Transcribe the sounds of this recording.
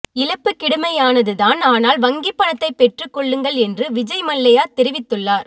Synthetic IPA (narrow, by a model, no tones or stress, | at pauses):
ɪlɐpːɯkːɪɽɯmɐjaːnɐðɯðaːnaːnaːlʋɐŋɡɪpːɐɳɐt̪ːɐɪpːɛʈrɯkːɔɭːɯŋɡɐɭɛndrɯʋɪd͡ʒɐɪmɐɭːɐjaːt̪ɛɾɪʋɪt̪ːɯɭːaːɾ